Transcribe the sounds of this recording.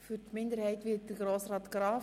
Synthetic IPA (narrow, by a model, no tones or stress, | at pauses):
fytmɪndəɾhɛɪtʋɪːt̚d̥əɡɾoːsrɑːt̪ɡ̥ɾɑː